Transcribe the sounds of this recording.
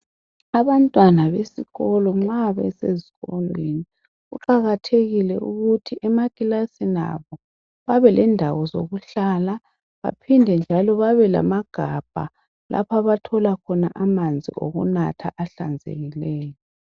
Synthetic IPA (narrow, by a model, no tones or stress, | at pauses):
aβantʼwanaβesiɣɔlɔŋ͡ǁaβɛseziɣɔlweni | ɣṵǃaɣatʰeɣilɛuɣutʰiʔɛmakʼilasina̰βɔ | βaβɛlɛndʱawɔzo̰ɣuɬaːla | βa̰pʰindʱɛnd͡ʒʱalɔβaβɛla̰maɡ̥ʱab̥ʱa̰ | lʔa̰pʰaβatʰɔlakʰɔna̰ʔamand͡zʱḭo̰ɣṵnatʰa̰ʔaɬand͡zʱḛɣilɛːjɔ